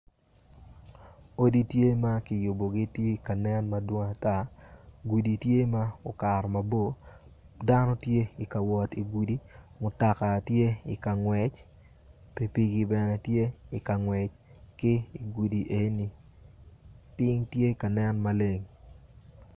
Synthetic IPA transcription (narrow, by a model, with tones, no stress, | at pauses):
o˦di˦tje˦ma˦kɪ˨jʊ˨bo˨ɡɪ˦te˦ka˨nɛ˦nma˦dwo˦ŋa˨ta˦ɡu˨di˨tje˦ma˦o˨ka˨ɾɔ˨ma˨bo˦ | da˦nɔ˦tje˦ɪ˨ka˨wɔ˨ti˨ɡu˨di˦mʊ˨ta˨ka˨tje˦ɪ̰˨ka˨ŋwɛ˨t͡ʃ | pe˨pi˦ɡi˦bɛ˨nɛ˦tje˦ɪ˨ka˨ŋwɛ˨t͡ʃ | kɪ˦i˨ɡu˨di˨ʔe˨ni˨ | pɪ˦ŋtje˦ka˨nɛ˦nma˦le˦ŋ